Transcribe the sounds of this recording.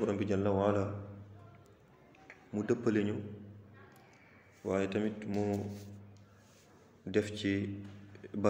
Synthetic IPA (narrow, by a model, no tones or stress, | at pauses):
uɾɔmbid͡ʒalːawala | mudapːaleɲɔ | waːjɛtamitmɔ | dɛft͡ʃi | ba